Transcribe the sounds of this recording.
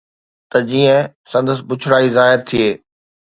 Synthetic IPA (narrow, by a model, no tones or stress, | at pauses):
t̪ɐd͡ʑiːə̃ | sɐ̃nd̪əsɪbʊt͡ɕʰʊɽaːizaːɦɪɾt̪ʰieː